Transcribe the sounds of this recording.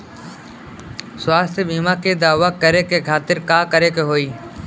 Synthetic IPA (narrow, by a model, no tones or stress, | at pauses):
sʊwaːst̪ʰeɓiːmaked̪aːʋakːəɾekekʰaːt̪ɪɾkaːkəɾekeɦoːiː